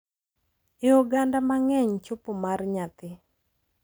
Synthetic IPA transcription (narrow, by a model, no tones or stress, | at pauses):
ɪɔɡandamaŋɛɲt͡ʃʊpomarɲat̪ɪ